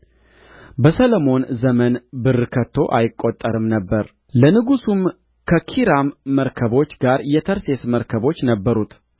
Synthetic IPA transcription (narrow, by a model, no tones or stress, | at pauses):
bəsələmo̞nzəmənbɨrɨkʰət̪ʰːo̞ʔajɪkʼːo̞t̪ʼːəɾɨmnəbːəɾ | lənɨɡusum | kʰəkʰiɾamːəɾkʰəβo̞t͡ʃːɡaɾjɛt̪ʰəɾse̞sməɾkʰəβo̞t͡ʃːnəbːəɾut̪ʰ